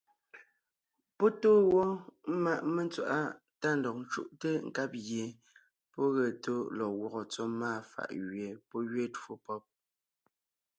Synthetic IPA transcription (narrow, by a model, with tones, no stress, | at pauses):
pɔ˦toː˦wɔ˦m̩˦ma˦ʔme˦nt͡swa̰˨ʔa˦ | ta˦n̩˨dɔ˨k̚n˦t͡ʃṵ˦˨ʔte˦ŋ̩˨ka˦p̚ɣje˨ | pɔ˦ɣɛ˨to˦lɔ˨ɣwɔ˨ɣɔ˨t͡sɔ˦maː˦˨fa̰˨ʔɣɥe˨pɔ˦ɣɥe˦two˦pɔ˦p̚